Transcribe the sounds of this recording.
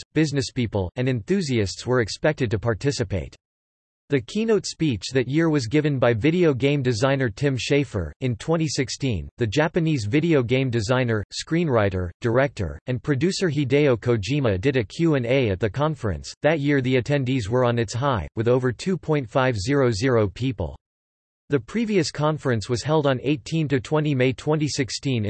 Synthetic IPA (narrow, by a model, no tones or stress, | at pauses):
b̥ɪznɨspipəl̩ˠɨ̃ndɨ̃nθʉziɨstswə˞ɨkspɛk̚tɨd̚tɨpʰɑɹtʰɪsɨpʰeɪt̚ | ðɨkʰinoʊtspit͡ʃðɨt̚jɪɹwʌzɡɪvɨ̃nbaɪvɪɾioʊɡẽɪ̃mdɨzãɪ̃nə˞tʰɪ̃mʃeɪfə̰˞ɨ̃ntʰw̥ɛ̃ɾ̃isɪkstḭ̃nðɨd͡ʒæpɨnizvɪɾioʊɡẽɪ̃mdɨzãɪ̃nə˞skɹĩnɹaɪɾə̰˞d̥ə˞ɛk̚tə̰˞ɨ̃npʰɹ̥ɨdʉsə˞ɦideɪoʊkʰoʊd͡ʒimɨdɨɾɨkʰj̥ʉɨ̃neɪɨt̪̚ðɨkʰɑ̃ɱfə˞ɨ̰̃nsðɨt̚jɪɹðiɨtʰɛ̃ndizwə˞ə̃nɨtsɦaɪwɨðoʊvə˞tʰʉpʰɔ̃ɪ̃ntfaɪvzɪɹoʊzɪɹoʊpʰipə̰l̩ˠ | ðɨpʰɹ̥iviɨskʰɑ̃ɱfə˞ɨ̃nswʌz̥hɛlˠdn̩eɪtʰĩntɨtʰw̥ɛ̃ñimeɪtʰw̥ɛ̃ntisɪkstĩn